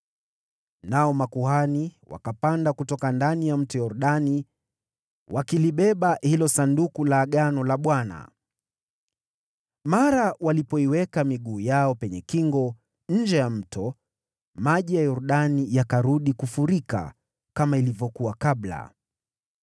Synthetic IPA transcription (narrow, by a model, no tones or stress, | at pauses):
naɔmakuhaniwa̰kapandakutɔkandanijam̩tɔjɔɾɗani | wʔakiliɓɛɓahilɔsandukulaːɠanɔlaɓwana̰ | maɾawalipɔiwɛkamiɠuːjaɔpɛɲɛkiŋɡɔ | ɲ̩d͡ʒɛjam̩tɔ | maʄijajɔɾuɗanijakaɾuɗikufuɾika̰ | kamailivjɔkuwakaɓla̰